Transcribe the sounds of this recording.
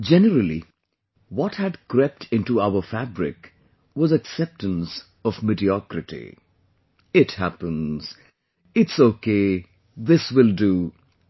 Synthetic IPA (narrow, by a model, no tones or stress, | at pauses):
d͡ʒɛnəɾəlˠḭ | wɔthɨdkɾɛp̚tʰɪ̃ntuaʊə˞fæbɾɪ̰k | wʌzɨksɛp̚tə̃ns | ʌvmɪdiɔkɾɨtḭ | ɪthæpə̃nz̥ | ɪtsoke | ðɪswɪldu